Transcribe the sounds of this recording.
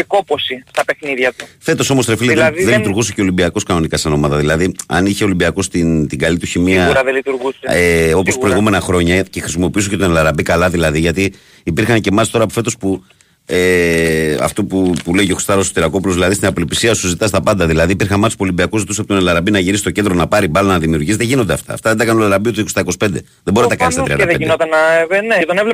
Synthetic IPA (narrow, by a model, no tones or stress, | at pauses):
ko̞posist̪ɐpexniðʝɐt̪ufe̞t̪o̞so̞mo̞st̪ɾefileðenlit̪uɾɣuseceo̞limbiɐko̞skɐno̞nikɐseno̞mɐðɐðilɐðiɐ̰niçe̞o̞limbiɐko̞st̪int̪iɡɐlit̪uçimiɐɾɐðelit̪uɾɣuseeo̞po̞spɾoiɣume̞nɐxɾo̞ɲɐce̞xɾisimo̞piusoce̞t̪o̞nelɐɾɐbikɐlɐðilɐðiʝɐt̪iː | piɾxɐnce̞mɐst̪o̞ɾɐpofe̞t̪o̞spu | e | ɐ̰ft̪o̞pupuleicoxo̥st̪ɐɾost̪iɾɐko̞p̬ulozðilɐðist̪inɐpolipisiɐsuzit̪ɐst̪ɐpɐnd̪ɐðilɐðiːpiɾxɐnmɐspuolimbiɐkuzit̪usɐpot̪onelɐɾɐbinɐʝiɾisi̥t̪o̞cend̪ɾonɐpɐɾibɐlɐnɐðimiuɾʝisðeʝinod̪eɐ̰ft̪ɐ̰ːft̪ɐðed̪ɐkɐnunlɐɾɐbiot̪ioost̪ɐiko̞si̥pe̞nd̪e̞ | ðeboɾint̪ɐkɐnnst̪t̪ɾiɐnðeinot̪ɐnɐveneet̪onevle